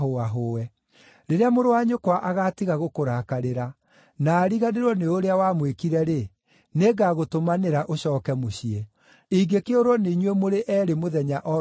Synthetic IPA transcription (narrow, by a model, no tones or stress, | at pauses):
oaɦoːwɛ | ɾeɾeamoɾowaɲokwaʔaɣatiɣaɣokoɾakaɾeɾa | naːɾiɣaneɾwɔneoɾeawamwekiɾɛɾe | neɡaɣotomaneɾaʔoɕɔːkɛmoɕie | iɡekeoɾwɔneiɲwɛmoɾeʔɛːɾemoðɛɲaʔɔ